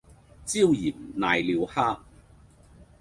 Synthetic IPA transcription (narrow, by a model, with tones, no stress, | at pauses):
t͡siː˥˧wji˨˩nnaː˨˧jliː˨˧whaː˥